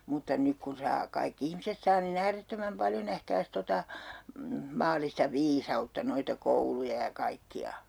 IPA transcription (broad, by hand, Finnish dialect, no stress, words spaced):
mutːɑ nyk kun̞ sɑː kɑikː ihmiset sɑː nin æːretːømæm pɑljo næhkæːs totɑ mɑːlˑistɑ ʋiːsɑutːɑ noitɑ koulujɑ jɑ kɑikːiɑ